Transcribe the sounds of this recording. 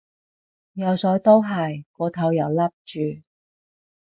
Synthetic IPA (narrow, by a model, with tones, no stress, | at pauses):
jɐ˨˧wsɔː˨˥jt̪o˥wɦɐ˨jkɔː˨˧t̪ʰɐ˨˥wjɐ˨˩wlɐ˥p̚t͡ʃyː˨˧